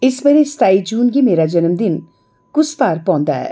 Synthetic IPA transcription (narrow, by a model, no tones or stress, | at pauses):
ɪsmẽɾest̪aːid͡ʒuːnkimeːɾad͡ʒɐnəmd̪ɪn | kʊst̪aːɾpɔ̃ːnd̪a̰ɦɛ̰ː